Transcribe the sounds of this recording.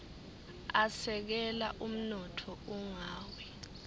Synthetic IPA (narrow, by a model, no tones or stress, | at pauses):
asɛk̬ɛla̰ʔum̩nɔtʰɔuŋaːwɛ